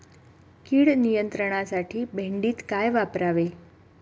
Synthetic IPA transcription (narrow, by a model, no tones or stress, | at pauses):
kiːɽnijənt̪ɾəɳ̃asaʈʰiːbʱeɳɖiːt̪kajʋapɾaʋe